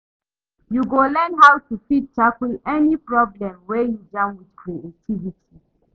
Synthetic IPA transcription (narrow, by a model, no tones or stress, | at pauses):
juɡolɛnɹaʊtufid̚takulɛnipɹɔblɛ̃mwejud͡ʒãnwidkʰɹietʰiviti